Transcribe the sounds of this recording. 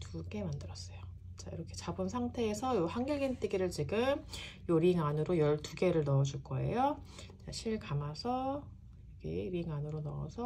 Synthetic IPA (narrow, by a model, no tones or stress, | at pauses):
tuɡe̞mandɯɾʌs͈ʌjo | t͡ɕaḭɾʌkʰe̞t͡ɕabɯnsʰaŋtʰe̞ːsʰʌjohaŋɡʌɭɡint͈eɡiɾɯɭt͡ɕiɡɯmjoɾiŋanɯɾojʌɭtuɡe̞ɾɯɭnʌːd͡ʑuɭk͈ʌe̞̰jo | eaɕʰiɭkamasʰʌ | ɡḛɾiŋanɯɾonʌʌ̰sʰʌ